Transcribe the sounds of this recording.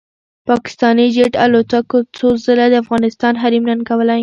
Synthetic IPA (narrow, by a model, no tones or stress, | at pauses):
pɑkɪ̥st̪ɑnid͡ʒeʈalot̪akot͡sozəlad̪əafɣɑnɪst̪ɑnɦaɾimnankawəlaj